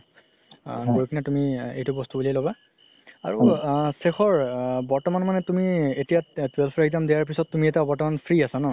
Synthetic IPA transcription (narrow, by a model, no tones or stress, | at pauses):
ɡoɹikʰinatumiḛjtʊbɔstubulialoba | a̰ɹusexɔɹbɔɹtɔmanmanɛtumietijatwelpʰɹaɡzamdijaɹp̬isɔtːumiɛtabɔɹtɔmanpʰɹiasanɔ